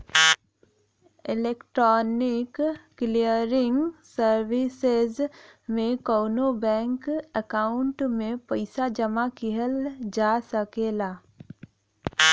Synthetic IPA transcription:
ɪleːkʈɾɔːnɪkː | lijəɾɪ̃ŋɡsəɾwɪsezmẽkoːnobɛ̃ːŋkəkaːʊɳʈmẽpəɪsad͡ʒəmakiɦəld͡ʒaːsəkelaː

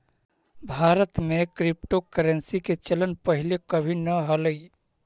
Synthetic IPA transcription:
bʱaɾət̪mekɾip̚ʈokəɾənsiket͡ʃələnpəɦilekəbʱinəɦələi

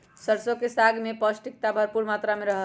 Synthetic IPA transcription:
səɾsokesaɡmepəsʈik̚t̪abʱəɾpuɾmat̪ɾameɾəɦə

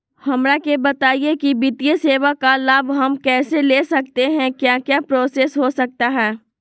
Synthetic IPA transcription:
hɐmɾakebɐt̪aːijekibɪt̪ijeseːʋakalaːbɦɐmkɛːseleːsɐk̚t̪eɦɛ̃kjaːkjaːpɾoːseːsɦosɐk̚t̪aɦɛː

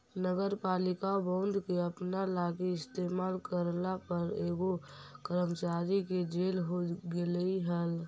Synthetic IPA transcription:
nəɡəɾpaːlɪkabə̃ʊ̃nd̪ʱkeəpnalaːɡeɪst̪eːmaːlkəɾnapəɾeːɡokəɾəmt͡ʃaːɾiked͡ʒeːlɦoɡeliɦəl

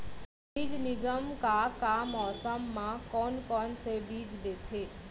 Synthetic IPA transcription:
biːd͡ʒnɪɡəmkakamɔːsəmːãkɔːnkɔːnsebiːd͡ʒd̪eːt̪ʰeː

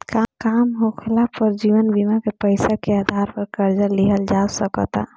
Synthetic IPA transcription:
kakamɦokʰelapəɾd͡ʒiʋənbimakepəɪsakead̪ʱaɾpəɾkəɾd͡ʒəliɦəld͡ʒasəkət̪a̰

